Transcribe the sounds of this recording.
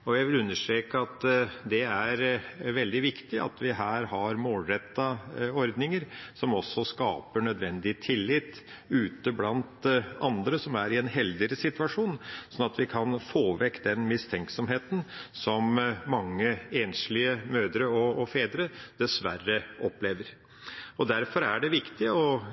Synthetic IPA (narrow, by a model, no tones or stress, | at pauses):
ɔjæɪʋɪlʉnːəʂʈ̪ɾeːkəɑt̪d̪ɛæɾʋɛld̪ɪʋɪkt̪ɪʔɑ̰t̪ʰʋɪɦæːɾhɑɾmoːlɾɛt̪ːɑɔɾd̪nɪŋəɾsɔmɔsːɔskɑːpəɳœd̪ʋɛnd̪ɪət̪ʰɪlːɪt̪ː | ʉːt̪əblɑnt̪ɑnd̪ɾəsɔmæɾɪɛnɦɛld̪əɾəsɪt̪ʉɑʂuːnsɔnɑt̪ʋɪkʰɑnfoːʋɛkːd̪ɛnmɪst̪ʰɛŋksɔmɦeːt̪n̩sɔmmɑŋːəeːnʂlɪəmøːd̪ɾəɔːfeːd̪ɾəd̪̥ɛsʋærːəʔɔpleːʋəɾ | ɔd̪æɾfɔɾæɖɛʋɪkt̪ɪɔ